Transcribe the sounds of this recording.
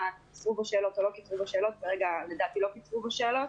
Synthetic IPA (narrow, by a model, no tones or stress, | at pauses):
kit͡sʁubeʃeːlotolo̞kit͡svubaʃeːlo̞t̪veʁeɡaledaːt̪ilokit͡svubeʃeːlo̞t